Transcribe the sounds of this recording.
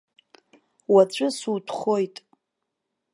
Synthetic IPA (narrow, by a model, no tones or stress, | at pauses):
wat͡ɕʷʼɨsutʰχojtʼ